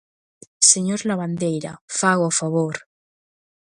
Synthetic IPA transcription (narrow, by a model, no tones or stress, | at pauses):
seɲoɾlaβand̪ejɾa̰faɣoafaβoɾ